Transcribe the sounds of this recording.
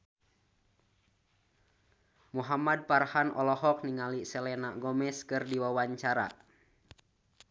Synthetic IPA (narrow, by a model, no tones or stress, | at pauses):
muɦamad̚parhanʔɔ̰lɔɦɔk̚niŋalisɛlɛnaɡɔmɛskɨrdiwawaɲt͡ʃaɾa̰